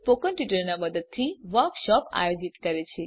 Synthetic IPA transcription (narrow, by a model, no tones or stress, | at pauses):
pokənʈʋiʈəɾnaməd̪əd̪̚t̪ʰiʋəɾkʃɔpa̰jod͡ʒit̪kəɾet͡ʃʰe